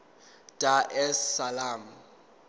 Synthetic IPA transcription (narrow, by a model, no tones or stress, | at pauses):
tʼaʔɛsːalam̩